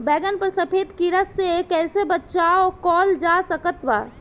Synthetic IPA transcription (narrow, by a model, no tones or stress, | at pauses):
bɛɡənpəɾsəpʰed̪kiɾəsːekɛsebətːʃaokɔːld͡ʒasəkət̪ba̰